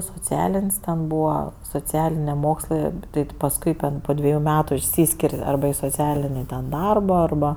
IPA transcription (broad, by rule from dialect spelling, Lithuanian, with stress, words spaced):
soːˈt͡sʲæːlʲɪnʲsʲ tʲɛn ˈbuːʋɐ soːˈt͡sʲæːlʲɪnʲeː ˈmoːkslˠɜ ˈtɐɪ tʲɪ pɐsˈkʊɪ tʲɛn poː ˈdʲʋʲæːjʊ ˈmʲæːtʊ ɪʃʲˈsʲiːsʲkʲɪrʲ ˈɐrbɐ ɪ soːˈt͡sʲæːlʲɪnʲɪ ˈdɐrbɐ ɐrˈbɐ